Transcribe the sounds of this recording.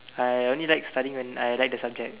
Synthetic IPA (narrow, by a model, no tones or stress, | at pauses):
ajõnlilajkstaɾĩŋwɛ̃na̰jlajk̚dəsab̚d͡ʒɛk̚